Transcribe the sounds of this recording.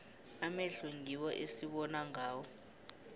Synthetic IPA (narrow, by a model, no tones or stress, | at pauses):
amɛɬuŋiwɔʔesiɓɔnaŋaːwɔ